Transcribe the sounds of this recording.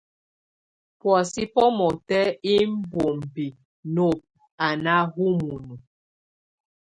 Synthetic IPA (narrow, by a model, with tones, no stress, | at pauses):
pwɔ˨si˦pɔ˦mɔ˨tɛ˦i˦m̩˦bo˨m˨bi˨ | no˦˨p̚ | a˨na˦ɦu˦mu˨nu˨